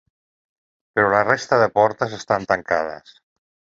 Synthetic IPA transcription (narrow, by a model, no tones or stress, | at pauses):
pəɾɔlarest̪aðəpɔɾt̪əzest̪ant̪aŋkað̞ə̰s